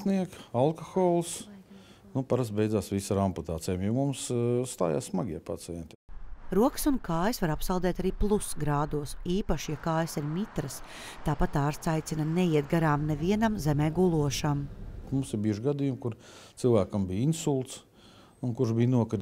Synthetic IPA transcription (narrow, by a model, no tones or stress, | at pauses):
niɛkalˠkɔxɔːlˠs | nupaɾast̪̚bɛj̪zaːsʋisaɾamput̪aːt̪ɛjamjɛmumsːt̪a̰ːja̰ːssmaɡiɛpat̪sɛɛnʲt̪ʲ | ɾuɔksunkaːjsvaɾapsalˠd̪ɛːt̪aɾiːplˠusɡɾaːd̪uɔsiːpaʃijakaːjəsiɾmit̪ɾəs | t̪aːpat̪aːɾst̪sajt̪inanɛjiɛt̪̚ɡaɾaːmnɛviɛnamzɛmɛːɡulˠuɔʃammumsɪɾbiɛʒɡad̪ijumkuɾt̪silˠvæːkɐmbiːinsulˠt̪s | unkuɾʒbiːnuɔkaɾ